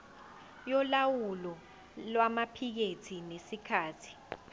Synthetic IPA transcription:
jɔlawulɔ | lwamapʰik̬etʰinesikʰaːtʰi̥

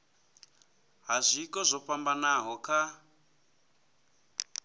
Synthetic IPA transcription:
ɦazʷikɔzʷɔɸambanaɦɔkʰa

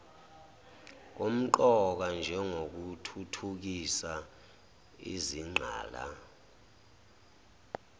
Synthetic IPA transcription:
k̬om̩ǃɔk̬and͡ʒʱɛŋok̬utʰutʰuk̬isa | ḭziŋ͡ǃʱa̰ːla̰

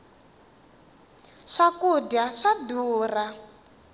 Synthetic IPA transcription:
ʂakudaʂaduːra

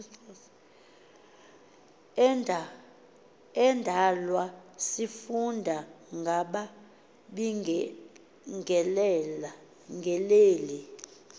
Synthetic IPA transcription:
ɛndʱalwasifundʱaŋɡʱaɓa | ɓi | ŋɡʱɛlɛla | ŋɡʱɛleːli

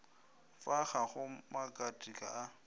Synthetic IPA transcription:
faχaχʊmakʼatʼikʼa̰ʔa

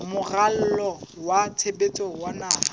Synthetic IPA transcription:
mʊral̩lɔwatʰebet͡sʼɔwanaːɦa

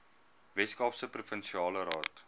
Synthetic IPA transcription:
vɛskɑːfsəprufənʃiɑːləɾɑːt

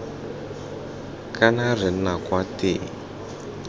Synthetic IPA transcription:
kanar̤inakwate

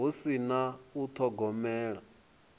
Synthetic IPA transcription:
usinaut̪ʰɔɡɔmɛːɺa

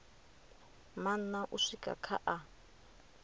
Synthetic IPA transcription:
manaʔuʂikʼa̰kʰa̰ʔa

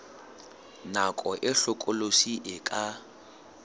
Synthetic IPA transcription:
nakʼɔʔɪɬʊkʼʊlosiʔɪkʼa

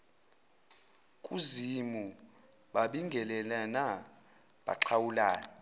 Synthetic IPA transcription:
kʼuzimu | ɓaɓiŋɡʱɛlɛlana | ɓa̰ǁʰawulaːna

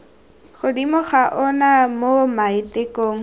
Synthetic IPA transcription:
χʊdimʊχaʔɔnamomaitʼekʼoːŋ̩

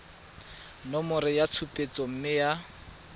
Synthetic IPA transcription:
nɔmʊrɪjat͡sʰupʼet͡sɔm̩mɪja

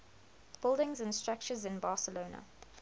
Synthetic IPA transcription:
b̥ɪlˠdɪ̃ŋzə̃nstɹ̥ak̚t͡ʃəzɪ̃nbɑːˑsəloːnə̰

